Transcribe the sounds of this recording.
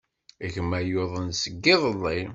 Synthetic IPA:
æçmæjoðˤənsəɡːɪðˤəlˤːi

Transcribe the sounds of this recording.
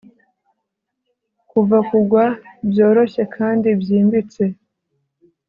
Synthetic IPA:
kuvakuɡwabjo̞ːɾo̞ɕe̞kʰaːndibjiːmbit͡se̞

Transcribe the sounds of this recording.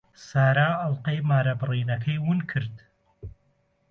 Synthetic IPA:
saːɾaːɐlˠqɐjmaːɾɐbɨriːnɐkʰɐjwʊnkʰɨɾd̪

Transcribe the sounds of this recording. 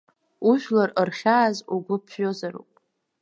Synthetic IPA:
uʒᶣlarərχʲaːzuɡʷʊpʰɕozaɾṵpʼ

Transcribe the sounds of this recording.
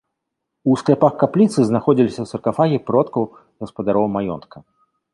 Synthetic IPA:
usklʲɛpaxkaplʲit̪sɨznaxɔd͡zʲilʲisʲɐwsɐrkafaɣʲipɾɔt̪kɐw | ɣɐspɐd̪aɾɔwmajɔ̰nt̪̚kʰɐ

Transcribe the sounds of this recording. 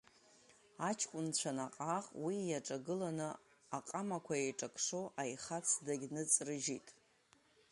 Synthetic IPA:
at͡ʃʰkʷʼʊnt͡ɕʷʰanaqʼaʁʼwijaʈ͡ʂʼaɡɨlanɨ | aqʼamakʷʰaejʈ͡ʂʼakʰʂoʔajχat͡sʰdaɡʲnɨt͡sʼrɨʒitʼ

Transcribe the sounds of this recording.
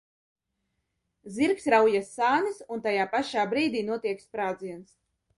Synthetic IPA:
ziɾksɾawjasːaːnisunt̪ajaːpaʃaːbɾiːd̪iːnuɔt̪iɛkspɾaːd̪ziɛns

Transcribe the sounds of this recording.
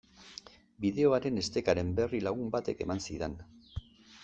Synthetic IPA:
biðe̞o̞aɾe̞ne̞st̪e̞kaɾe̞mbe̞rilaɣ̞umbat̪e̞ke̞mansiðen

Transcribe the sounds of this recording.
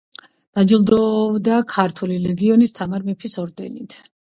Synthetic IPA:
d̪̥ad͡ʒilˠd̪ɔbd̪akʰaɾt̪ʰulilɛɡiɔnist̪ʰamaɾmɛpʰisɔɾd̪ɛnit̪ʰ

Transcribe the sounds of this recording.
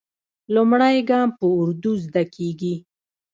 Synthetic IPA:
lumɽajɡɑmpəʊɾd̪uzd̪akʰeɡi

